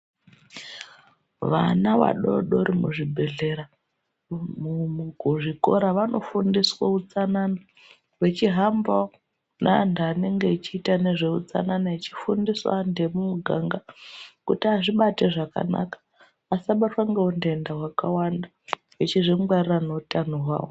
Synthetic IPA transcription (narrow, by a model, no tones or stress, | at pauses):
ʋa̰naʋa̰ɗoɗo̞ɾimṵʐibʱe̞ɮe̞ɾa | muɡʱuʐiko̞̰ɾaʋano̞fundiswaut͡sanana | we̞t͡ʃiɦamba | nandaːne̞ŋɡe̞it͡ʃiːtane̞ʐeut͡sa̰nanait͡ʃifundiswa̰nde̞mumuɡʱaŋɡakutiaʐiɓate̞ʐaka̰na̰kḁ | asaɓatwaŋɡeunde̞ndaɦwakawanda | wet͡ʃiʐiŋɡwariranoutanoɦwa̰ːwo